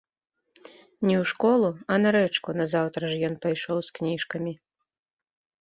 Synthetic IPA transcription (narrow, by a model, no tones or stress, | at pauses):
nʲɛwʂkɔlˠuɐnɐɾɛt͡ʂkunɐzawt̪ɾɐʐjɔnpajʂɔwsknʲiʂkɐmʲi